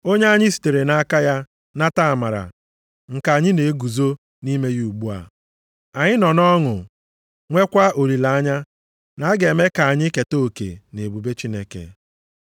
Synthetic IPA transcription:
o˦ɲe˦a˦ɲɪ˦si̥˨te˨ɾe˨na˦ka˦ja˦ | na˦ta˦a˨ma˨ɾa̰˨ | ŋ̩˨ka˨a˨ɲɪ˦ne˨e˦ɡu˨zo˦ | ni˦me˦ju˦˨u˨ɡ͡bu˦a̰˨ | a˨ɲɪ˦nɔ˨nɔ˦ŋʊ˨ | ŋʷe˦kʷa˦o˨ɾi˨la˨a˦ɲa˦ | na˨˦ɡe˨me˦ka˨a˨ɲɪ˦ke˨to˦˨kḛ˨ne˨bu˨be˦t͡ʃi˦ne˦kḛ˨

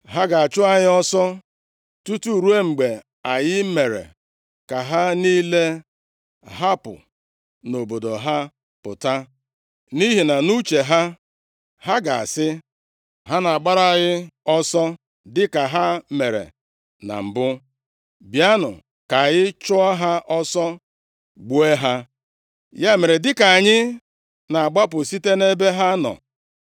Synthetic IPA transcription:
ɦa˦ɡa˨a˨t͡ʃʊ˦a˨ɲɪ˦ɔ˦sɔ˦ | tu˦tu˦˨ɾu˦e˦ŋ͡m̩˨ɡ͡be˨ | a˨ɲɪ˦me˨ɾḛ˨ | ka˨ɦa˦ni˦le˦ | ɦa˦pʊ̰˨ | no˨bo˨do˨ɦa˦ | pʊ˨ta˦ | ni˦ɦi˨na˨nu˦t͡ʃe˨ɦa˦ | ɦa˦ɡa̰˨a̰˨sɪ˦ | ɦa˦na˨a˨ɡ͡ba˦ɾa˨˦ɣɪ˦ɔ˦sɔ˦ | dɪ˦ka˨ɦa˦me˨ɾḛ˨ | na̰˨m̩˨bʊ˦ | bja˦nʊ̰˨ | ka˨ɣɪ˦t͡ʃʊ˦a˦ɦa˦ʔɔ˦sɔ˦ | ɡ͡bu˦e˦ɦa˦ | ja˦me˨ɾe˨dɪ˦ka˨a˨ɲɪ˦ | na˨a˨ɡ͡ba˦pʊ˨si˦te˦ne˦be˦ɦa˦nɔ̰˨

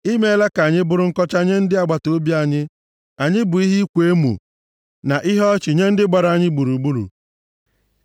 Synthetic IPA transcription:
i˦me˦la˦ka˨ɲɪ˦bʊ˦ɾʊ˦ŋ̩˦kɔ˦t͡ʃa˦ɲe˦n̩˦dɪ˦a˨ɡ͡ba˨to˦bi˦a˨ɲɪ˦ | a˨ɲɪ˦bʊ˨i˦ɦi˦kʷe˦mṵ˨ | na˨ʔi˦ɦɔ˦t͡ʃɪ˨ɲe˦n̩˦dɪ˦ɡ͡ba˨ɾa˨ɲɪ˦ɡ͡bu˨ɾu˨ɡ͡bu˦ɾṵ˨

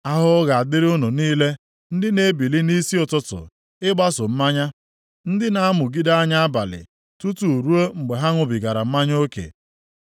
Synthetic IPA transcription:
a˦ɦʊ˦ɣa˨a˨dɪ˦ɾʊ˦no˨niː˦le˦ | n̩˦dɪ˦ne˦bi˨li˦ni˦si˦ʊ˨tʊ˦tʊ̰˨ | ɪ˦ɡ͡ba˦sʊ˨m̩˦ma˦ɲa˦ | n̩˦dɪ˦na˦a˦mʊ˨ɡi˦da˦a˦ɲa˦a˦ba̰˨lɪ̰˨ | tu˦tu˨ɾu˦o˦ŋ͡m̩˨ɡ͡be˨ɦa˦ŋʷʊ˨bi˨ɡa˨ɾa˨m̩˦ma˦ɲ˦o˦kḛ˨

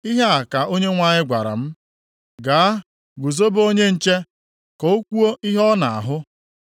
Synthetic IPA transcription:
i˦ɦa˦a˨ka˨ʔo˦ɲe˦ŋʷa˦ɲɪ˦ɡʷa˨ɾa̰˨m̩˦ | ɡaː˨a˦ | ɡu˨zo˦bo˦ɲe˦n̩˨t͡ʃe˦ | kɔ˨o˦kʷu˦o˦i˦ɦɔ˦na̰˨a̰˨ɦʊ˦

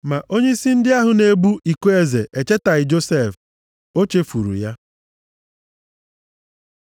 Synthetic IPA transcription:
ma˨ʔo˦ɲe˦i˦si˦n̩˦dɪ˦a˦ɦʊ˨ne˨˦bu˦ʔi˨kʷe˦e˦˨ze˨ʔe˨t͡ʃe˦ta˨ɣɪ˨d͡ʒo˦se˦˨f | o˦t͡ʃe˦fu˨ɾṵ˨ja˦

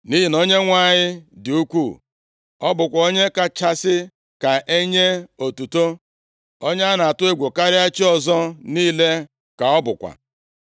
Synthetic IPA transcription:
ni˦ɦi˨no˦ɲe˦ŋʷa˦˨ɲɪ˦dɪ˨u˦kʷu˦˨ | ɔ˦bʊ˨kʷa˨o˦ɲe˦ka˨t͡ʃa˦sɪ˦ | ka˨ʔe˦ɲe˦o˨tu˨to˦ | o˦ɲ˦a˦na˨a˨tʊ˦e˦ɡʷo˨ka˦ɾɪ˦a˦t͡ʃi˦ɔ˨zɔ˦niː˦le˦ | ka˨ɔ˦bʊ˨kʷa̰˨

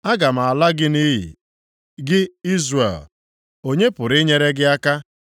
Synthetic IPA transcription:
a˦ɡa˨m̩˨a˨la˦ɡɪ˦ni˦ɦḭ˨ | ɡɪ˦i˦zrḛ˨l | o˦ɲe˦pʊ˨ɾɪ˦ɲe˦ɾe˦ɡɪ˦a˦ka˦

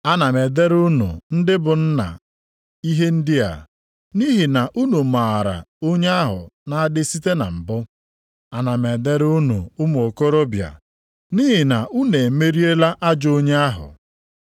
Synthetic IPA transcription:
a˦na˨me˨de˦ɾu˦nṵ˨n̩˦dɪ˦bʊ˨n̩˦na̰˨ | i˦ɦe˦n̩˦dɪ˦a̰˨ | ni˦ɦi˨na˨ʔu˦nu˨ma˨ɾa̰˨o˦ɲe˦a˦ɦʊ̰˨na˨a˦dɪ˦si˦te˦na̰˨m̩˨bʊ˦ | a˨na˨me˨de˦ɾu˦nṵ˨ʊ˦m˨o˨ko˦ɾo˦bja̰˨ | niː˦ɦɪ˨na˨u˦ne˨me˦ɾi˦e˦la˦ʔa˦d͡ʒo˦ɲe˦a˦ɦʊ̰˨

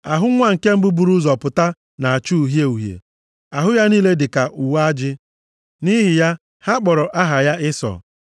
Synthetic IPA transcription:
a˨ɦʊ˦ŋʷa˦ŋ̩˨ke˦m̩˦bu˦bu˨ɾu˦zɔ˨pʊ˨ta˦ | na˨a˨t͡ʃu˦˨ɦje˦u˨ɦjḛ˨ | a˨ɦʊ˦ja˦niː˦le˦dɪ˨ka˨ʔu˨wa˦d͡ʒɪ˦ | ni˦ɦɪ˨ja˦ | ha˦k͡pɔ˨ɾɔ˨ʔa˦ɦa˨ja˦ɪ˦sɔ̰˨

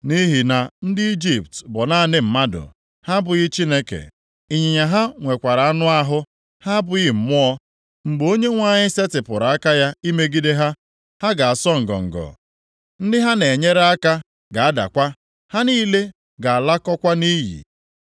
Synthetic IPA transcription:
ni˦ɦi˨na˨n̩˦dɪ˦i˦d͡ʒi˨ptbɔ˨na˦˨nɪ˦m̩˨ma˦dʊ̰˨ | ha˦bʊ˨ɣɪ˦t͡ʃi˦ne˦kḛ˨ | i˨ɲi˨ɲa˨ɦa˦ŋʷe˨kʷa˨ɾa˨a˦nʊ˦a˦ɦʊ˦ | ha˦bʊ˨ɣɪ˦m̩˨mʊ˦ɔ˦ | ŋ͡m̩˨ɡ͡bo˦ɲe˦ŋʷa˦˨ɲɪ˦se˦tɪ˨pʊ˨ɾa˨a˦ka˦ja˦i˦me˦ɡi˦de˦ɦa˦ | ha˦ɡa˨a˨sɔ˦ŋ̩˨ɡɔ̰˨ŋ̩˨ɡɔ̰˨ | n̩˦dɪ˦ɦa˦ne˨ɲe˦ɾa˦ka˦ | ɡa˨a˦da̰˨kʷa˦ | ha˦niː˦le˦ | ɡa˨a˨la˦kɔ˦kʷa˦ni˦jḭ˨

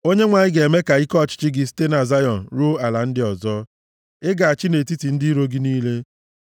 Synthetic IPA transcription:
o˦ɲe˦ŋʷa˨ɲɪ˦ɡe˨me˦ka˨i˦kɔ˦˨t͡ʃɪ̥˦t͡ʃɪ˦ɡɪ˨ste˦na˨za˦jɔ˨n̩˨ɾu˦a˨la˨n̩˦dɪ˦ɔ˨zɔ˦ | ɪ˦ɡa˨a˨t͡ʃɪ˦ne˨ti˦ti˨n̩˦dɪ˦ɾo˦ɡi˦niː˦le˦

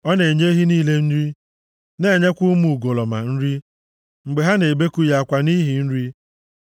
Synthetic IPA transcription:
ɔ˦ne˨ɲe˦ɦi˦niː˦le˦n̩˦ɾi˦ | ne˦˨ɲe˦kʷu˦mu˨ɡo˨lɔ˨ma˨n̩˦ɾi˦ | ŋ͡m̩˨ɡ͡be˨ɦa˦ne˨be˦ku˦ja˨kʷa˨ni˦ɦi˨n̩˦ɾi˦

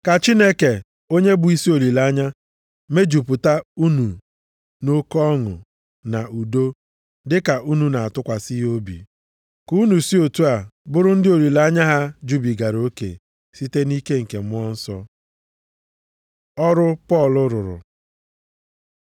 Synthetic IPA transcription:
ka˨t͡ʃi˦ne˦ke˨ | o˦ɲe˦bʊ˨i˦si˦o˨li˨la˦ɲa˦ | me˦d͡ʒu˨pu˨ta˦u˦nu˨ | no˦kɔ˦ŋʊ̰˨ | na˨u˨do˦ | dɪ˦ka˨ʔu˦nu˨na˨a˨tʊ˦kʷa˨si˦ɦo˦bḭ˨ | ku˦nu˨si˦o˨tu˦a˨bʊ˦ɾʊ˦n̩˦dɪ˦o˨li˨la˦ɲa˦ɦa˦d͡ʒu˦bi˨ɡa˨ɾo˦kḛ˨ | si˦te˦ni˦ke˦ŋ̩˨ke˨mʊ˦ɔ˦n̩˦sɔ˦ | ɔ˦ɾʊ˦pɔ˦˨lʊ˦ɾʊ˨ɾʊ̰˨

